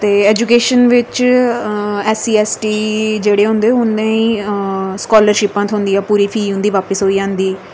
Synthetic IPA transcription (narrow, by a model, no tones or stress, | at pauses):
t̪eːɛːd͡ʒuːkeːʃənʋɪt͡ʃ | ɛːsiːɛːsʈiːd͡ʒeːɽeːɦʊ̃nd̪eːʊnːẽːĩːskɔːləɾʃɪpãːt̪ʰʊ̃nd̪iːãːpuːɾiːpʰiːɦʊ̃nd̪iːʋaːpəsɦoːiːd͡ʒãːnd̪iː